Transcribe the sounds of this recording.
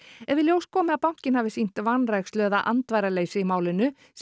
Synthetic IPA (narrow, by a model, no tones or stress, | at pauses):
ɛvɪljowskʰɔːmɪðapawŋ̥cɪnhaːvɪsin̥t̪vanrajxst̪lœːðaʔant̪vajɾaleːjsɪimaːwlɪnːʏ | s